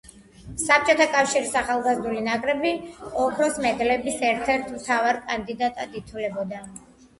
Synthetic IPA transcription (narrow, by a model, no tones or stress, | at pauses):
sap̚t͡ʃʼɔt̪ʰakʼafʃiɾisaχalˠɡazd̪ulinakʼɾɛbiɔkʰɾɔsmɛd̪lɛbisɛɾt̪ʰɛɾt̪ʰmt̪ʰavaɾkʼand̪id̪at̪ʼad̪it̪ʰvlɛbɔd̪a